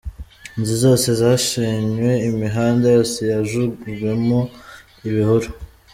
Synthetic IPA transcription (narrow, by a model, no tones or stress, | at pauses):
nzizo̞ːse̞zaːʃiɲwe̞imiɦaːndajosejaʒuwe̞mo̞ | iβihuɾo